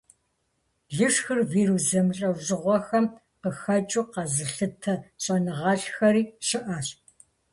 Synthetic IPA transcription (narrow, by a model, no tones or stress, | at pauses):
ɮɨʂxɨrviːɾuzɐmɬʼɐwʑɨʁʷɔxɐm | qəxɐt͡ʃʼuːqɑzɨɬɨtʰɐɕʼɐnɨʁɑːɬxɐɾiːʃɨʔaːɕʼ